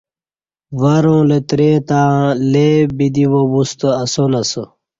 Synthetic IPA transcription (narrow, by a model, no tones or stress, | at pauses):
ʋɐɾõːlet̪ɾẽːt̪ãːlebid̪iʋobust̪əɐsonɐsə